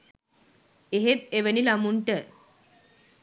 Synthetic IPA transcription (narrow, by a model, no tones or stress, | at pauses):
eɦet̪eʋənilamuɳʈə